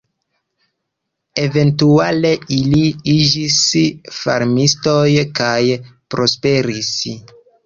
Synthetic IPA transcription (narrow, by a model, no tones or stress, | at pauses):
e̞ve̞ntuale̞iliid͡ʒisfa̰ɾmisto̞jkajpɾo̞spe̞ɾis